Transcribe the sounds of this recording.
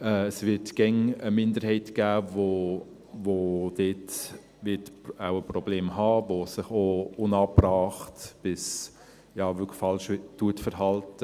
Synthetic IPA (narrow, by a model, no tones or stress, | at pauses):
ɛːəsvɪtɡ̥ɛŋəmɪndəɾhɛɪtɡ̥æːvo | vod̥et | vɪtawəprɔbleːmɦɑːvosɪχounɑːbrɑːχtb̥ɪs | jɑːvʏkfɑlʃtuətfəɾɦɑltə